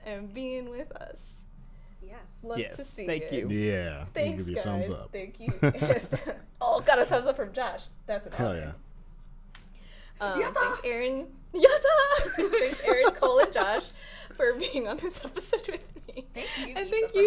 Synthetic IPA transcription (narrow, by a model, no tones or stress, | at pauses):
ʔɨ̃nbiɪ̃ŋwɪðʌ̰s | ɛ | lʌjɛ̰̥sʰɨsiæ̃ɪkjʉjæθæ̃ŋkɡɪvjəɡθʌ̃mzʌ̰pθæ̃ŋkʰjʉ | oʊɡɑɾɨθʌ̃mzʌpfɹʌ̃md͡ʒɑʃðætsɨkʰojæ̰ | ʌ̃tæ̃ŋsɛɹɨ̃n | jædɑæ̃ŋksɛɹɨ̃nkʰoʊlˠɨ̃nd͡ʒɑʃ | fə˞biɪ̃ŋə̃nðɪsɛpɨsoʊt̚wɨðmiɨ̃nθæ̃ŋkjʉ